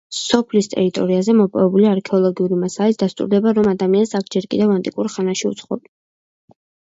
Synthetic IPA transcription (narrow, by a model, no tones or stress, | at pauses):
sɔpʰlist̪ʼɛ̰ɾit̪ʼɔɾiazɛmɔpʼɔ̰vɛbuliaɾkʰɛɔlˠɔɡiuɾimasalit̪sd̪ast̪ʼṵɾd̪ɛbaɾɔmad̪amiansakʰd͡ʒɛɾkʼḭd̪ɛvant̪ʼikʼuɾχanaʃiṵt̪sʰχɔ̰b